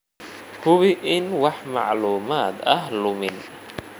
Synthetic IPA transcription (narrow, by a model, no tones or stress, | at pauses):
hʊβɪʔɪnwɑħmɑ̰ʕluːmaːd̪ɐɦlʊmɪn